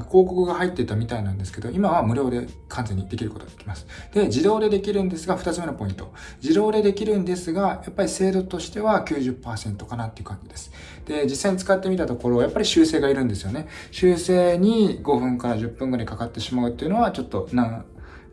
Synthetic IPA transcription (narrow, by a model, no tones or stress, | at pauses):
ko̞ːkokɯ̟ɡaɦait̪ːe̞it̪amʲit̪ainãnd̪e̞sɨ̥ke̞d̪o̞ʔimaβamɯ̟ɾʲo̞ːd̪e̞ | kʰãnze̞ɲ̟ːid̪e̞kʲiɾɯ̟ko̞t̪o̞ɡ̪d̪ekʲimasɨ̥d̪̥e̞d͡ʑid̪o̞ːd̪e̞d̪e̞kʲiɾɯ̟̃nd̪e̞sɨɡaɸɯ̥t̪at͡sɨme̞nopo̞ĩnt̪o̞̰ | d͡ʑiɾo̞ːd̪e̞d̪e̞kʲiɾɯ̟̃nd̪e̞sɨɡajapːaɾʲise̞ːd̪o̞t̪o̞ɕi̥t̪e̞βakʲɨːʑɨpːaːsẽ̞nt̪o̞kanat̪ːeiɯ̟kãɲd͡ʑid̪e̞sɨ̥ | d̪̥e̞d͡ʑisːaiɲ̟it͡sɨ̥kat̪ːe̞mʲit̪at̪o̞ko̞ɾo̞ːjapːaɾʲiɕɨːse̞ːɡaiɾɯ̟̃nd̪e̞sɨjo̞ne̞ɕɨːse̞ːɲ̟iɡo̞ɸɯ̟̃ŋkaɾaʑɨpːɯ̃ŋɡoɾaikakat̪ːe̞ɕimaɯ̟t̪ːe̞iɯ̟no̞βat͡ɕo̞t̪ːo̞nã